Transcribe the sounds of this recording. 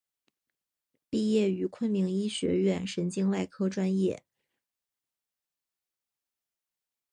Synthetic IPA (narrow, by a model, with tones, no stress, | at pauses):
pi˥˧jɛ˥˩y˧˥kʰwə˥˩nmi˧˥ŋi˥ɕɥɛ̰˧˥ɥɛ˥˩nʂə˧˥nt͡ɕi˥ŋwa˥˩ɪkʰɤ˥ʈ͡ʂwa˥njɛ̰˥˩